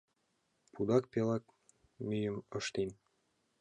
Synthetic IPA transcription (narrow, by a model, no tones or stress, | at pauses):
pud̪ɑkpelɑk̚ | myjə̆mə̆ʃt̪en